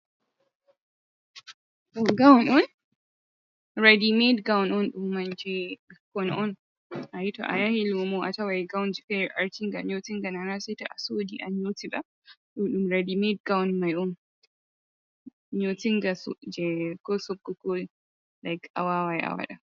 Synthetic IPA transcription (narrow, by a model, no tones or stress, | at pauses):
tɔɡawnɔn | ɹadimedɡawnɔnɗumːand͡ʒɛkɔnɔn | ʔajitɔ̰ʔa̰jahilomoʔatawajɡawnd͡ʒifɛɹʔaɹtiŋɡaɲotiŋɡananasɛtɔʔasodiʔaɲotiɗa | ɗumɗumɹadimed̚ɡawnmajɔn | ɲotiŋɡasɔd͡ʒɛkɔsɔb̚kːɔkol | lajkʰawawajʔa̰wa̰ɗa